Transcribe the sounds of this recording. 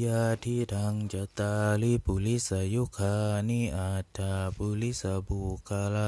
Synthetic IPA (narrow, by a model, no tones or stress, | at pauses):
jadidaŋd͡ʒat̪alipulisajukʰaniad̥apulisabukala